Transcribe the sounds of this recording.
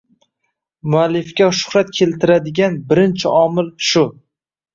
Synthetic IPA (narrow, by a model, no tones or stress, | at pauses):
mʊalːɪfkʲaʃʊ̥χɾat̪̚kʲʰe̞lt̪ʰɪɾad̪ɪɡʲanbɪɾɪnt͡ʃʰɪʔɒmɪlʃʊ